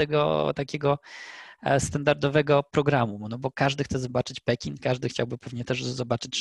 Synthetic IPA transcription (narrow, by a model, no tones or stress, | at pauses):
t̪ɛɡɔ̰t̪akʲɛɡɔ | st̪and̪aɾd̪ɔvɛɡɔpɾɔɡɾamunɔbɔkaʐd̪ɘxt̪sɛzɔbat͡ʂɘt͡ɕpɛkʲiŋkaʐd̪ɘxt͡ɕa̰wbɘpɛvɲɛt̪ɛʐzɔbat͡ʂɘt͡ɕ